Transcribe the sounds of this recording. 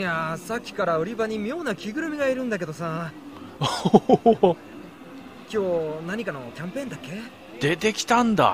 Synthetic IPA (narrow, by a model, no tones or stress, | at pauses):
jasakʲːi̥kaɾaɯɾʲibaɲ̟imʲijo̞ːnakʲiɡɯ̟ɾɯ̟mʲiɡaiɾɯ̟̃nd̪ak̬e̞d̪o̞saː | kʲo̞ːnaɲ̟ikano̞kʲãmpẽ̞ːnd̪akːe̞ | d̪̥et̪e̞kʲi̥t̪ãnd̪a̰